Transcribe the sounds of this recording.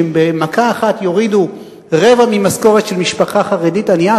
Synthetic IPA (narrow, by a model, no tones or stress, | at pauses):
mbemakaːχatjo̞ʁidu | ʁevamimasko̞ʁetʃelmiʃpaχaχaʁeditanja